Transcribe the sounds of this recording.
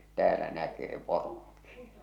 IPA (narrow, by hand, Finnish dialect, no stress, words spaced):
tæːlæ nækeː poroŋki